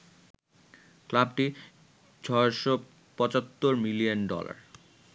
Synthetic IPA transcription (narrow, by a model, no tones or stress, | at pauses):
klab̚ʈi | t͡ɕʰɔeʃo | pɔt͡ɕat̪ːoɾmilionɖɔ̰la̰ɾ